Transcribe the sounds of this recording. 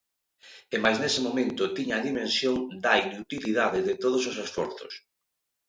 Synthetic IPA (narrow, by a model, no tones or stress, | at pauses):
emajznesɪmomẽnt̪ʊt̪iɲːðimẽnsjoŋd̪ainut̪iliðaðɪðɪt̪oðososesfɔ̰ɾθʊ̰s